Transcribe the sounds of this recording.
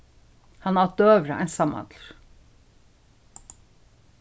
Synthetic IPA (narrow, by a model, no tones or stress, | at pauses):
hɑnɑd̪øːʋɾəʔæ̰ɪnsɑmɑ̰d̪lɾ